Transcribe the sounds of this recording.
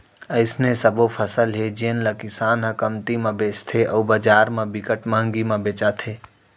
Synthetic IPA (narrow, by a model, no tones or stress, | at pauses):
əɪsnesəbopʰəsəlɦed͡ʒinləkɪsaːnɦəkəmt̪imãbeːt͡ʃt̪ʰeʔɔːbəd͡ʒaːɾmẽbɪkəʈmãːŋɡimãbeːt͡ʃat̪ʰeː